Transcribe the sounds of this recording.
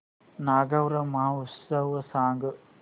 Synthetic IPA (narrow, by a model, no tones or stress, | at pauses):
naːɡɐʋɾɐmausɐʋɐsaːŋɡɐ